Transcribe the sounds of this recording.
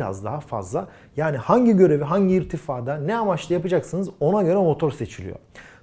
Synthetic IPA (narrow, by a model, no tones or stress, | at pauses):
ɾa̰zd̪aɦafa̰zlˠa | jaːnihaɲɟiɟø̞ɾe̞viɦaɲɟiːɾt̪ʰifaːd̪anɛamat͡ʃlˠɯjapɯd͡ʒaksɯnɯzo̞naɟø̞ɾɛmo̞t̪ʰo̞ɾse̞t͡ʃʰilʲḭjo̰